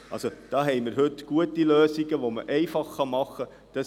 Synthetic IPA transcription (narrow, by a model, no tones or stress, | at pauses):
ʔɑ̰lsod̥ɑːɦɛɪmɪɾɦɵtɡ̥uətiløːsiɡəʋomə̰ʔɛɪfɑχːɑmɑχːə | d̥ɑs